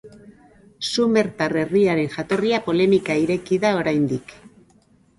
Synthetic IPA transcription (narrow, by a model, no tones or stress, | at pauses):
sume̞ɾt̪are̞riaɾe̞nʝat̪o̞riapo̞le̞mikaiɾe̞kiðao̞ɾajnd̪ik